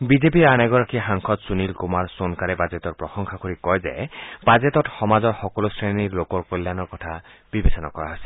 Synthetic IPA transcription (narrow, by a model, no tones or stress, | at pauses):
bizepiɹanɛɡɔɹakʰixaŋkʰɔt̪sunilkumaɹsonkaɾebad͡ʒetɔɹpɹɔsɔŋkʰakoɹikɔjzḛbad͡ʒetɔtxɔmazɔɹxɔkɔlosɹeniɹlokɔɹkolːjanɔɹkɔtʰab̥ibesɔnakɔɹa̰ɦasi̥